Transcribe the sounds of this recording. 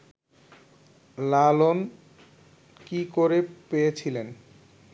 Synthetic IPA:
lalon | kikoɾepejet͡ɕʰilen

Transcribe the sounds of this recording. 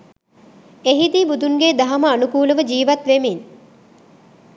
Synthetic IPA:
eɦid̪ibud̪uŋɡeːd̪aɦaməanukuːləʋəd͡ʒiːʋat̪ʋemin

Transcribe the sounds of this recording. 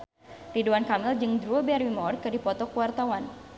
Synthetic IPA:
riduankamɪld͡ʒɨŋdɾuɔbearwimɔrkɨdipɔt̪ɔkəwart̪awan

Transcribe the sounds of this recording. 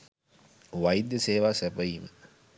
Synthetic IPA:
ʋajid̪jəseːʋaːsæpəjiːmə

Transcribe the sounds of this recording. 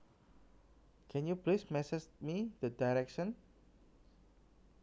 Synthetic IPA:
kʰɛ̃njuplesmɛsɛt͡ʃmid̪ədajɾɛkʃə̃n

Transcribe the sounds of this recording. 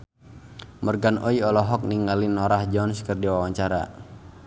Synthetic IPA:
mərɡanʔɔiɔlɔɦɔk̚niŋɡalɪnɔɾahd͡ʒɔnskərdiwawaɲt͡ʃaɾa̰

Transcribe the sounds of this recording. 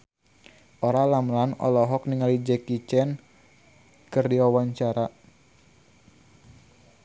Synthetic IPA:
ʔoɾalamlanɔ̰lɔɦɔk̚niŋalid͡ʒɛkit͡ʃɛn | kɨrdiwawaɲt͡ʃaɾa

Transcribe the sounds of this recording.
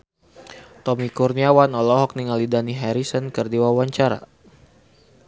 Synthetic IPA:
t̪ɔmikurniawanɔlɔɦɔk̚niŋalidaniɦɛɾisənkərdiwawaɲt͡ʃaɾa̰

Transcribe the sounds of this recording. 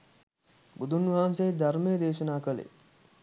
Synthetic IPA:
bud̪unʋɐɦansejd̪aɾmejd̪eːʃənaːkəlḛ

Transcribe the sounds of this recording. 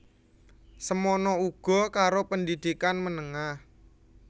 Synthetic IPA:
səmonɔuɡ̥ɔ̤kaɾopənd̪id̪̥ikanmənəŋah

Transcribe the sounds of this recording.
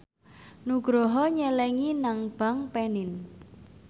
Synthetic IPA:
nuɡ̥ɾɔɦɔɲɛlɛŋinaŋb̥a̤ŋpɛnɪn

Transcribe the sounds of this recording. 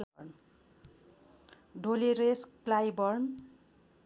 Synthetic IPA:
n | ɖʱoliɾesklajbʌrn

